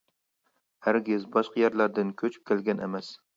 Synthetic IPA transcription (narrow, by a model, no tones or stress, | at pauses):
haɾɡʲɪzbɒʃqɑjaɾlaɾd̪ɪnkʲʰɵt͡ʃʰɪ̥p̚kʲʰelɡʲanḛmas